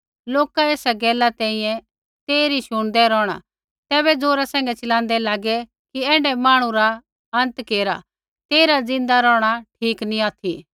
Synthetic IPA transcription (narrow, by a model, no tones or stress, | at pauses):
loːkaeːsaɡɛːlat̪ɛ̃ːĩjɛ̃ | t̪eːɾiʃʊɽ̃d̪ɛɾɔːɽ̃a̰ | t̪ɛːbɛd͡zoːɾasɛ̃ːŋ̆ɡɛt͡ʃɐlãːn̆d̪ɛlaːɡɛ | kiɛːɳɖɛmaːɽ̃ũɾa | ɐ̃nt̪keːɾa̰ | t̪eːɾad͡zɪ̃nd̪aɾɔːɽ̃aʈʰiːknĩaːt̪ʰi